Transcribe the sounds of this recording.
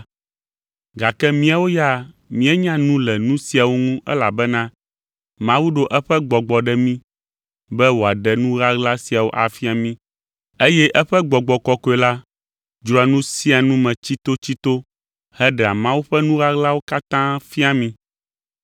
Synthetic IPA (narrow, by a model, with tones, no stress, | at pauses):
ɡa˨kɛ˦mĩ˦a˨wo˦ja˦ | mĩ˦ɛ˦ɲã˦nũ˦lɛ˨nũ˦si˦a˨wo˦ŋũ˦ʔɛ̰˦la˨bɛ˦nã˦ | mã˦wu˦ɖo˦ʔɛ˦ɸɛ˦ɡ͡bɔ˨ɡ͡bɔ˨ɖɛ˦mĩ˦ | bɛ˦wo˨a˨ɖɛ˨nũ˦ɣa˦ɡla˦si˨a˨wo̰˦ʔa˨fi˦a˨mĩ˦ | e˦jɛ˦ʔɛ˦ɸɛ˦ɡ͡bɔ˨ɡ͡bɔ˨kɔ˨kɔ˨ɛ˨la˦ | d͡ʒɾɔ˨a˨nũ˦si˦a˨nũ˦mɛ̃˨t͡ɕi˦t̪o˦t͡ɕi˦t̪o˦ | hɛ˦ɖɛ˨a˨mã˦wu˦ɸɛ˦nũ˦ɣa˦ɣla˦wo˦ka˦t̪ã˦fi˦a˨mĩ˦